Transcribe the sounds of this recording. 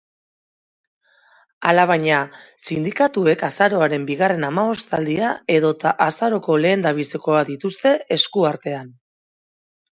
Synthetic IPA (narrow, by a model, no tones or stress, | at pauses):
alaβ̞aɲasind̪ikat̪ue̞kasaɾo̞aɾe̞mbiɣare̞namaβo̞st̪ald̪iae̞ðo̞t̪aʔːsaɾo̞ko̞le̞ːnd̪aβ̞iseko̞aðit̪ust̪e̞e̞skuaɾt̪e̞an